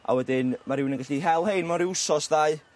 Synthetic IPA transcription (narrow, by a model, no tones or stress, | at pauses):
a̰wɛdɪnmaɾɪwnənɡaɬiɦɛlˠhejnmɔɾɪusɔsðaɨ